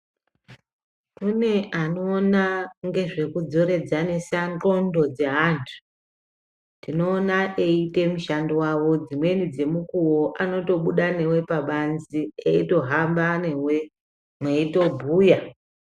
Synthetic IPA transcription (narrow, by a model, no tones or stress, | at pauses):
kune̞ʔano̞ːnaŋɡe̞ʐe̞kud͡zo̞ɾe̞d͡zanesaŋko̞ndo̞d͡zeɦantʰu̥ | tino̞ːnaʔeite̞muʃandowaʋo̞d͡zimwe̞nid͡ze̞mukuwo̞ʔano̞to̞ɓuɗane̞we̞paɓanzieito̞ɦambane̞we̞ | mweito̞bʱuːja